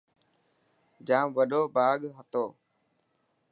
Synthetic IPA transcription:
d͡ʒaːmʋəɗoːbaːɠɦət̪oː

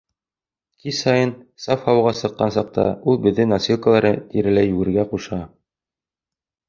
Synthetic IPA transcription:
kisɑjɤnsɑfhɑwʁɑsɤ̆qːɑnsɑq̚t̪ɑ̰ulˠbɘ̆ðːɘnɐsʲilˠkəlˠɑɾɤt̪iɾɘ̆læjʉɡɘ̆ɾɡæquʃɑ

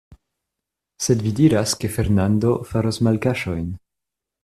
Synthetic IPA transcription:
se̞dvidiɾaske̞fe̞ɾnando̞faɾosmalkaʃo̞jn

